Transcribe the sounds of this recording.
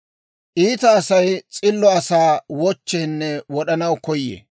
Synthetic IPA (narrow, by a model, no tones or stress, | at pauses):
ʔiːt̪ɐːsɐjt͡sʼɪlːɔɐsaːwɔt͡ʃːɛnːɛwɔɗɐnɐwkɔjːḛː